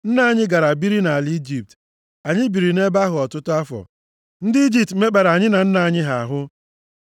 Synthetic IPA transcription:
n̩˦na˨a˨ɲɪ˦ɡa˨ɾa˨bi˦ɾi˦na˨li˦d͡ʒi˨p̚t | a˨ɲɪ˦bi˨ɾi˨ne˦ba˦ɦʊ˨ɔ˨tʊ˦tʊ˦a˦fɔ̰˨ | n̩˦dɪ˦i˦d͡ʒi˨p̚tme˦k͡pa˨ɾa˨ɲɪ˦na˨n̩˦na˨a˨ɲɪ˦ɦa˨a˨ɦʊ˦

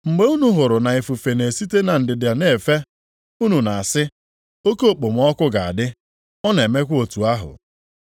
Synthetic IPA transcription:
ŋ͡m̩˨ɡ͡be˦u˦nu˦ɦʊ˨ɾʊ˨na˨i˨fu˨fe˨ne˨si˦te˦na˨n̩˨dɪ˨da˨ne˨fe˦ | u˦nu˨na˨a˨sɪ˦ | o˦ko˦o˦˨k͡po˨m̩˦ɔ˦kʊ˦ɡa˨a̰˨dɪ˦ | ɔ˦ne˨e˨me˦kʷo˨tu˨a˦ɦʊ̰˨

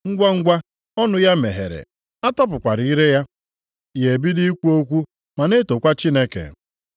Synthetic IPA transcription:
ŋ̩˦ɡʷa˦ŋ̩˦ɡʷa˦ | ɔ˦nʊ˦ja˦me˨ɦḛ˨ɾḛ˨ | a˦tɔ˦p̬ʊ˨kʷa˨ɾi˨i˦ɾe˦ja˦ | je˨bi˦di˦i˦kʷu˦o˦kʷu˦ | ma˨ne˦to˨kʷa˦t͡ʃi˦ne˦kḛ˨

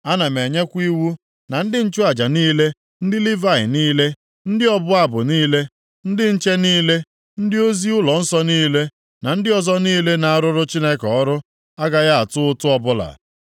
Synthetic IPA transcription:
a˦na˨me˨ɲe˦kʷi˦wu˦ | na˨n̩˦dɪ˦n̩˦t͡ʃʊ˦a˨d͡ʒa˨niː˦le˦ | n̩˦dɪ˦li˦va˨ɪ̰˨niː˦le˦ | n̩˦dɪ˦ɔ˦bʊ˦a˦bʊ˨niː˦le˦ | n̩˦dɪ˦n̩˦t͡ʃe˦niː˦le˦ | n̩˦dɪ˦o˦zi˦ʊ˦lɔ˨n̩˦sɔ˦niː˦le˦ | na˨n̩˦dɪ˦ɔ˦zɔ˦niː˦le˦na˨a˦˨ɾʊ˦ɾʊ˦t͡ʃi˦ne˦kɔ˦ɾʊ˦ | a˦ɡa˨ɣa˦a˨tʊ˦ʊ˦tʊ˦ɔ˦bʊ˦la̰˨

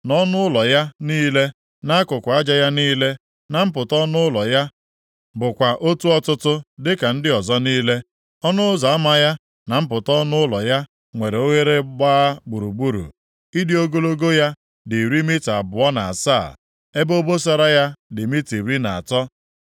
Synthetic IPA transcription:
nɔ˦nʊ˦ʊ˦lɔ˨ja˦niː˦le˦ | na˦a˦kʊ˨kʷa˦d͡ʒa˦ja˦niː˦le˦ | na˨m̩˦pʊ˨tɔ˦nʊ˦ʊ˦lɔ˨ja˦ | bʊ˨kʷa˨ʔo˦tu˦ɔ˦tʊ˦tʊ˦dɪ˦ka˨n̩˦dɪ˦ɔ˨zɔ˦niː˦le˦ | ɔ˦nʊ˦za˨a˦ma˦ja˦ | na˨m̩˦pʊ˨tɔ˦nʊ˦ʊ˦lɔ˨ja˦ | ŋʷe˨ɾe˨o˦ŋe˦ɾe˦ɡ͡baː˦ɡ͡bu˨ɾu˨ɡ͡bu˦ɾṵ˨ | i˦di˦o˦ɡo˦lo˦ɡo˦ja˦ | dɪ˨ɾi˦mi˦ta˨bʊ˨ɔ˦na̰˨a̰˨sa̰ː˦˨ | e˦bo˦bo˦s̬a˦ɾa˦ja˦dɪ˨mi˦ti˨ɾi˦na̰˨a̰˨tɔ˦

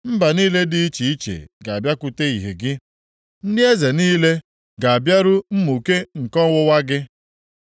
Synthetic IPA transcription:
m̩˦ba˨ni˦le˦dɪ˦i˦t͡ʃi˨i˦t͡ʃḛ˨ɡa˨a˨bja˦kʊ˨te˦i˨ɦḛ˨ɡɪ˦ | n̩˦dɪ˦e˦ze˨niː˦le˦ | ɡa˨a˨bja˦ɾʊ˦m̩˦mu˨ke˦ŋ̩˨kɔ˦wʊ˦wa˦ɡɪ˦

